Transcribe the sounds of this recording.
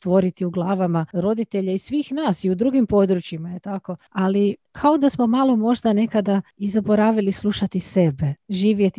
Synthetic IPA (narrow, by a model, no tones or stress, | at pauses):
st̪ʋo̞ɾit̪iuɡlˠaːʋamaɾo̞d̪it̪e̞ʎaisʋiːxnaːsiud̪ɾuːɡimpo̞d̪ɾut͡ʃimajet̪ako̞alikʰao̞d̪asmo̞malo̞mo̞ʒd̪ane̞kad̪aizabo̞ɾaːʋilislˠuʃat̪ise̞be̞ʒiːʋjet̪i